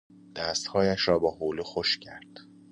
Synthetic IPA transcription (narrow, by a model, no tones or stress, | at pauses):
d̪̥æːst̪hɒːjæʃɾɒːbɒːɦoːluxoʃcʰæɾd̪̥